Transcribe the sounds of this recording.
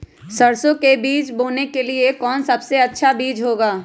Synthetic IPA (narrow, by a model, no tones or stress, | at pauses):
sɐɾsõkebiːt͡ʃboːnekeliekɔːnsɐbseɐtːʃʰabiːd͡ʒɦoːɡaː